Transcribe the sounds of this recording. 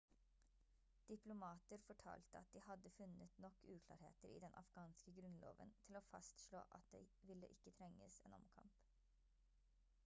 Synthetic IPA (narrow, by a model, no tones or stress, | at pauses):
d̪̥ɪplʊmɑːt̪əɾfɔʈʰɑ̰ːlt̪əɑt̪̚d̪iːhɑd̪əfʉnət̪nɔkʰːʉːkʰlɑ̰ːɾhḛːt̪əɾḭːd̪ɛnʔɑ̰fɡ̥ɑːnskəɡɾʉnlo̰ːʋə̰nt̪ʰɪloːfɑst̪ʃɭo̰ːʔɑt̪̚d̪ḛʋɪlːəʔɪkːət̪ʰɾɛŋːəsḛːnɔ̰mkʰɑ̰mp